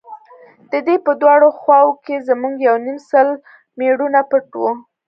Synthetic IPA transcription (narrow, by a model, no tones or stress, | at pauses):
d̪̥əd̪epəd̪wɑɽoxwɑwokezəmuŋɡjawnimsəl | meɽunapəʈwu